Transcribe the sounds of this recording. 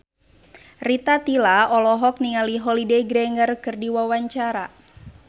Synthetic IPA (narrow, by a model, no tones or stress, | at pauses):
rit̪at̪ilaɔlɔɦɔk̚niŋaliɦɔlidejɡɾɛŋərkɨrdiwawaɲt͡ʃaɾa